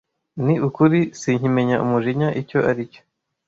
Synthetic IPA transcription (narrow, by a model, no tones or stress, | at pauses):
niukuɾisiɲime̞ɲaʔumuʒiɲaʔico̞ʔaɾico